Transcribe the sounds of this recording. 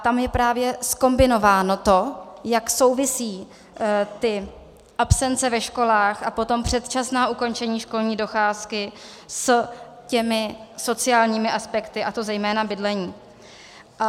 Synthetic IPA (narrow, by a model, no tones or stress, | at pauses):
t̪amjɛpɾaːvjɛsko̞mbɪno̞vaːno̞t̪o̞jakso̞wvɪsiː | t̪ɪ | ʔapsɛnt͡sɛvɛʃko̞laːxʔapo̞t̪o̞mpr̝̥ɛt̪t͡ʃasnaːʔuko̞nt͡ʃɛɲiːʃko̞lɲiːdo̞xaːskɪ | scɛmɪso̞t͡sɪaːlɲiːmɪʔaspɛkt̪ɪʔat̪o̞zɛjmɛːnabɪdlɛɲiː | ʔa